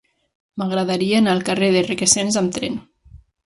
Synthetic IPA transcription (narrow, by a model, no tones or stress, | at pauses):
maɣɾaðaɾieːnalˠkareðerekesenzamt̪ɾɛn